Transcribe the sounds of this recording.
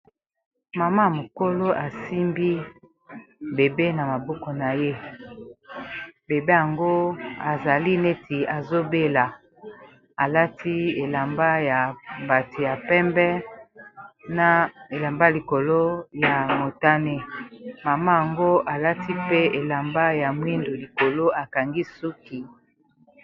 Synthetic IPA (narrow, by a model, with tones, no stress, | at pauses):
ma˨ma˦a˨mo˨ko˦lo˦ʔa˨si˦mbi˦ | be˨be˦na˨ma˨bɔ˦kɔ˨na˨je˦ | be˨be˦ja˨ŋɡo˦a˨za˨li˦ne˦ti˨a˨zo˦be˦la˨ | a˨la˦ti˦e˨la˨mba˦ja˨ba˨ti˨ja˨pɛ˦mbɛ˦ | na˨e˨la˨mba˦˨li˨ko˨lo˦ja˨mo˨ta˦ne˦ma˨ma˦ja˨ŋɡo˦ʔa˨la˦ti˦pe˦e˨la˨mba˦ja˨mwi˦ndo˨li˨ko˨lo˦a˨ka˨ŋɡi˦su˦ki˦